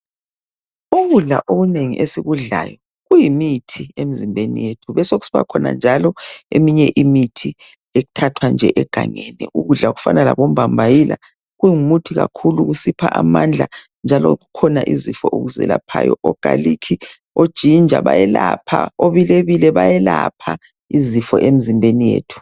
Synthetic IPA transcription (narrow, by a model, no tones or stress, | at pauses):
uɣuɮa̰ʔoɣuneŋḭʔesiɣuɮa̰jɔ | ɣujimitʰiemizimbʱenḭjetʰuβɛsoɣusi̥pʰa̰kʰɔna̰nd͡ʒʱalɔemiɲɛʔimitʰi | eɣutʰatʰwand͡ʒʱɛʔɛɡ̥ʱaŋenḭʔuɣuɮaɣufa̰nala̰βom̩bambʱajila̰ | ɣujiŋumutʰiɣakʰuluɣusipʰaʔamand͡ɮʱa | nd͡ʒʱalɔ̰ɣukʰɔnaʔizifɔʔoɣuzɛ̰lapʰajɔʔɔɡ̥ʱalikʰi | od̥ʒ̥ʱind͡ʒʱa̰βajɛlapʰaoβileβilɛβajɛlapʰa | izifɔʔemizimbʱenijḛːtʰu̥